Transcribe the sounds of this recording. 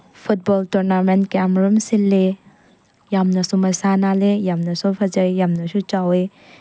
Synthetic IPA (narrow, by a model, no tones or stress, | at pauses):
pʰut̚bɔltɔɾnamentkeamɾɔmsilːe | jamnɐsumɐsanalejamnɐsɔpʰɐd͡ʒajjamnɐsut͡ʃawe